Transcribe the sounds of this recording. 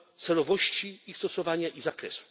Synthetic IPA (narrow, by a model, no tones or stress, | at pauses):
t̪sɛlɔvɔɕt͡ɕiixst̪ɔsɔvaɲaʔizakɾɛsu̥